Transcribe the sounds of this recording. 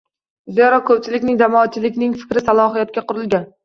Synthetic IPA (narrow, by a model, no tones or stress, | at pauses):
zeeɾɒkʰɵp̚t͡ʃʰɪlɪkʲnɪŋd̪amɒːt͡ʃʰːɪlɪkʲnɪŋfɪ̥kʲɾɪsalˠɒɦijat̪̚kʲaqʊɾɪlˠɡʲan